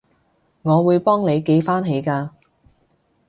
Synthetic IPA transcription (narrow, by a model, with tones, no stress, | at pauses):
ŋɔː˨˧wuː˨˧jpɔː˥ŋne˨˧jke˨˧˥jfaː˥nɦe˨˧jkaː˧